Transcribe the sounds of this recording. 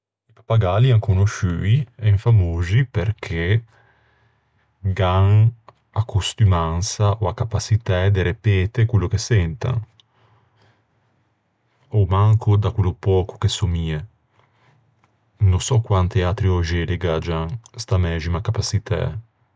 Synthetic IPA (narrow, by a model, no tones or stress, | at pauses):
ipḁpaɡaliaŋkonoʃyːiɛɱfamoːzipeɾkʰe | ɡaŋ | akʰːust̪ymansaʔoakːapasit̪ɛd̪eɾepɛːt̪ekwelːokesɛnt̪a̰ŋ | omaŋkʰod̪akwelːopɔːko̥kesomie | nosɔkːwant̪eat̪ɾiɔʒeleɡad͡ʒaŋst̪amɛːʒimakapasit̪ʰa̰